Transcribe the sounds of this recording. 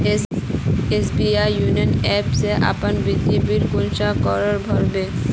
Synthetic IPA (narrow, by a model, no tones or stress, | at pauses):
esbiajːunionɛpseʔa̰panbɾid̪ibiɾkunʃakɔɾaɾbʱɔɾbe